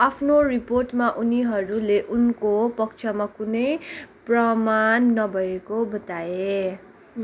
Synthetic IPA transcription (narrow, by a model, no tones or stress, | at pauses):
apʰnoriporʈmaʔuniɦʌɾuleʔunkopʌk̚t͡ʃʰʌmakunʌjprʌmanːʌbʱʌekobʌt̪ae